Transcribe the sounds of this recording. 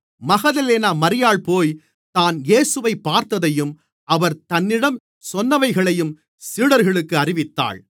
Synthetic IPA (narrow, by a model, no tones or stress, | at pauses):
mɐɣɐðɐleːnaːmɐɾɪjaːɭpoːj | t̪aːneːsɯʋɐɪpːaːɾt̪ɐðɐjɯm | ʔɐʋɐɾt̪ɐnːɪɽɐm | sɔnːɐʋɐɪɣɐɭɐjɯm | siːɽɐɾɣɐɭɯkːɯɐrɪʋɪt̪ːa̰ːɭ